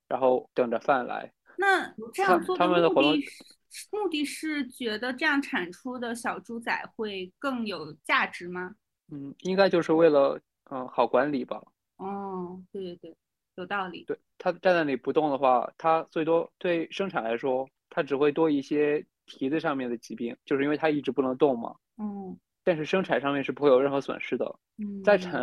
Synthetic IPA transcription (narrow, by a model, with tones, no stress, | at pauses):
ɻa˧˥nxo˥˩ʊt̪ɤ˨˩ŋʈ͡ʂə˦fa˥˩nla̰˧˥ɪ | na˥˧ʈ͡ʂɤ˥˧jɑa˥˧ŋt͡swɔ˥˩t̪ʰa˥mə˨nd̪ə˩˥˧wɔ˧˩t̪ʊ˥˧ŋ˥˩˥ | mu˥˧t̪i˥˧ʂɻ̩˥˩t͡ɕɥɛ˧˥d̪ə˧ʈ͡ʂɤ˥˧jɑ˥˩ŋʈ͡ʂʰa˨˩nʈ͡ʂʰu˥d̪ə˨ɕjɑ˨˩ʊʈ͡ʂu˥t͡sa˨˩ɪxwe˥˧ɪkɤ˥˩ŋjo˨˩ʊt͡ɕja˥˩ʈ͡ʂɻ̩˧˥mɐ˧ | n̩˥˩i˥ŋka˥ɪt͡ɕjo˥˧ʊʂɻ̩˥˧we˥˩ɪlə˩ | ə˧xɑ˨˩ʊkwa˧˥nli˨˩b̥ɐ̰˦ | ɔ˥˩t̪we˥˧ɪt̪we˥˩ɪ | jo˨˩ʊt̪ɑ˥˩ʊli˨˩˦t̪we˥˩ɪt̪ʰa˥ə˨ʈ͡ʂna˥˩nli˨˩pu˧˥t̪ʊ˥˩ŋd̪ə˩xwa̰˥˩t̪ʰa˥t͡swe˥˩ɪt̪wɔ˥t̪we˥˩ɪʂɤ˥ŋʈ͡ʂʰa˨˩nla˧˥ɪʂwɔ˥ | t̪ʰa˥ʈ͡ʂɻ̩˨˩xwe˥˩ɪt̪wɔ˥i˥˩ɕjɛ˥ | t̪ʰi˧˥t͡sɹ̩˥˧ʂɑ˥˧ŋmjɛ˥˩nd̪ə˩t͡ɕi˧˥pi˥˩ŋt͡ɕjo˥˧ʂ̩˥˧˥wt̪ʰa˥i˥˩ʈ͡ʂɻ̩˧˥pu˥˩nɤ˧˥ŋt̪ʊ˥˩ŋmɐ̰˩ | n̩˥˩ | t̪a˥˧nʂɻ̩˥˩ʂɤ˥ŋʈ͡ʂʰa˨˩nʂɑ˥˧ŋmjɛ˥˧nʂɻ̩˥˩pu˧˥xe˥˩jo˨˩ɻxɤ˧˥swə̰˨˩nʂɻ̩˥d̪ə̰˩ | n̩˥˩t͡sa˥˧ɪʈ͡ʂʰa˨˩˥